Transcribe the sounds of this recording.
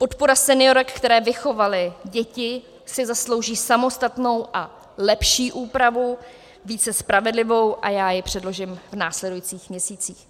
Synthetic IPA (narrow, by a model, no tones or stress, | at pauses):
po̞t̪po̞ɾasɛnɪjo̞ɾɛkkt̪ɛɾɛːvɪxo̞valɪɟɛcɪ | sɪzaslo̞wʒiːsamo̞st̪at̪no̞wʔa | lɛpʃiːʔuːpɾavu | viːt͡sɛspɾavɛdlɪvo̞wʔajaːjɪpr̝̥ɛdlo̞ʒɪmvnaːslɛdujit͡siːxmɲɛsiːt͡siːx